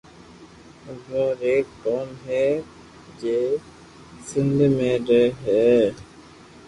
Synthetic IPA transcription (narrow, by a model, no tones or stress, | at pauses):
d͡ʒoːɾeːkːɔːnɦɛ | d͡ʒeː | sɪ̃nd̪ʱmẽɾəɦɛː